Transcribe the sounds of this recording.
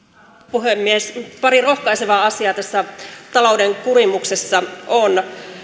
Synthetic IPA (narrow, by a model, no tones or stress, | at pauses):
puɦemːiespɑɾiro̞hkɑiseʋɑɑsiɑːt̪æsːæt̪ɑloudeŋkurimuksesːɑon